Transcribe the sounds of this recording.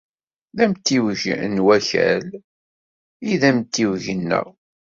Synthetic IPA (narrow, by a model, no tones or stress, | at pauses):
ðæmt̪ːiwʝnwæçæ̰l | iðæmt̪ːiwʝənːæ̰